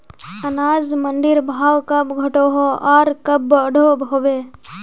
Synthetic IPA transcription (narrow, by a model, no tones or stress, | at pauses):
ɐnaːzmənɖ̪ɪɾbʱaːwkɐbɡʱɐʈoɦoaːɾkɐbəɽʱobʱoːʋe